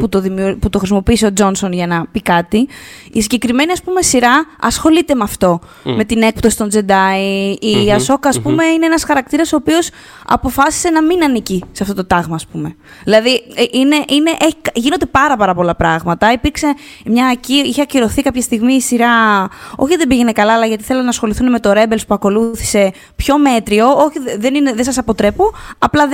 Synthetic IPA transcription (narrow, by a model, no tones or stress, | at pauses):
put̪oðimuput̪o̞xɾisimo̞piːseo̞d͡zo̞nso̞nʝɐnɐpikɐt̪i | isiɲɟe̞kɾime̞niɐspume̞siɾɐɐsxo̞lit̪e̞mɐft̪o̞ | me̞t̪ine̞k̚pt̪o̞si̥t̪ond͡ze̞d̪ɐiiɐso̞kɐːspume̞ineenɐsxɐɾɐk̚t̪iɾɐso̞ːpio̞s | ɐ̰po̞fɐsi̥se̞nɐminɐniciseɐft̪o̞t̪o̞t̪ɐɣmɐːspume̞ | ðilɐðiʔine̞ʔine̞ʔeçikʝinod̪epɐɾɐpɐɾɐpo̞lɐpɾɐɣmɐt̪ɐipiɾkse̞mɲɐːciiçeɐciɾo̞θikɐpçɐst̪iɣmiːsiɾɐo̞çiðe̞biʝe̞ne̞kɐlɐːlɐʝɐt̪i̥θelenɐːsxo̞liθuneme̞t̪o̞ɾe̞be̞lspuɐko̞luθi̥se̞ | pço̞me̞t̪ɾio̞oçiðe̞nineðesɐsɐpo̞t̪ɾe̞puɐplɐ